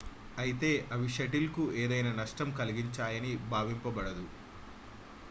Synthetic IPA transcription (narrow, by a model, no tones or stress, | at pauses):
ɐjit̪e̞ːʔɐʋiʃɐʈilkueːd̪ɐjnaːnɐʂʈɐmkɐliɡiɲt͡ʃaːjɐnibʱaːʋimpɐbɐɽɐd̪u